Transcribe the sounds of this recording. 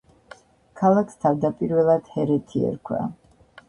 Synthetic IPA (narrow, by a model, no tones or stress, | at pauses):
kʰalˠakʰst̪ʰavd̪apʼiɾvɛlˠad̪̥hɛɾɛt̪ʰiɛ̰ɾkʰwa̰